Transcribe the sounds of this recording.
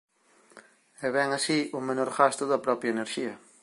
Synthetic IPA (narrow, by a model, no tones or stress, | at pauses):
ɛβɛŋasiʊmẽnɔɾɣast̪ʊðɐpɾɔpɾjɐeneɾʃiɐ